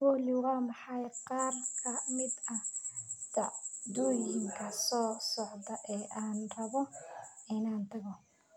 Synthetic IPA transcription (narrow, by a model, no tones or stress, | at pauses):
wɔlɪwɑːmɑħɑjqɑːrkʰɐmɪd̪ɐhd̪ɐd̪ɔːjɪŋkʰɐsɔːsɔʕd̪ɐʔɛːʔaːnrɐβɔɪnaːnt̪ʰɐɣɔ